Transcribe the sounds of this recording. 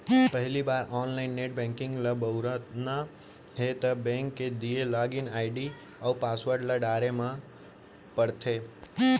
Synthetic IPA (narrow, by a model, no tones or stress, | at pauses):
pəɦlibaːɾɔːnlaɪnːeʈ̚bɛ̃ŋkɪ̃ŋɡləbəʊɾət̪na | ɦet̪əbɛ̃ŋkːed̪ielaːɡinaːɪɖi | aupasʋəɾɖləɖaɾemã | pəɽt̪ʰe